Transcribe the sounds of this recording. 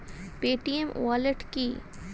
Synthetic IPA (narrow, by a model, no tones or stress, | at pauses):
peːʈiemwaːleʈkiː